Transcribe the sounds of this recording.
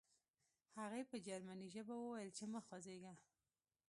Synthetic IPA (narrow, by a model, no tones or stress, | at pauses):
haɣejpəd͡ʒaɾmaniʒəbawəwajəlt͡ʃeməxwazeɡa